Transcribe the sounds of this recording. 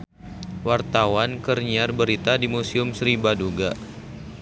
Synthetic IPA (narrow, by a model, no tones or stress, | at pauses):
wart̪awankərɲiarbəɾit̪adimusiʊmsɾibaduɡa